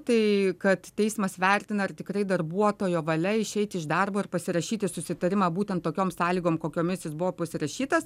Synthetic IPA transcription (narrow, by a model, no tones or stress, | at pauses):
t̪ɐɪkɐt̪tʲɛɪsmɐsʋʲɛrʲt̪ʲɪnɐrt̪ʲɪkɾɐɪd̪ɐrbuɔt̪oːjoːʋɐlʲɛɪʃʲɛɪt̪ʲɪʒd̪ɐrboːɪrpɐsʲɪɾɐʃʲiːt̪ʲɪsʊsʲɪt̪ɐɾʲɪmɑːbuːt̪ʲɛnt̪t̪ːoːkʲoːmsɑːlʲiːɡoːmkoːkʲoːmʲɪsʲjʲɪsbʊʋoːpɐsʲɪɾɐʃʲiːt̪ɐs